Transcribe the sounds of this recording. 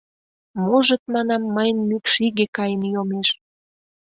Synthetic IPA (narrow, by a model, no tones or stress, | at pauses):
moʒə̆t̪̚mɑnɑmːəjnmykʃiɣekɑjənjomeʃ